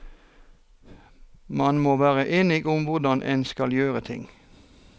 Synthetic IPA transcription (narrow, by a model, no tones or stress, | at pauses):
mɑnmoːʋæːʁəʔeːnɪɡʊmʋʊʁd̪ɑnʔḛːnskɑljøːʁət̪ʰɪ̰ŋ